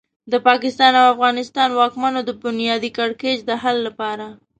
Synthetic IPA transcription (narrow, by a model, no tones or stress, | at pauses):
d̪əpɑkɪst̪ɑnawafɣɑnɪst̪ɑnwɑkmanod̪əbʊnjɑd̪ikaɽked͡ʒd̪əɦalːapɑɾa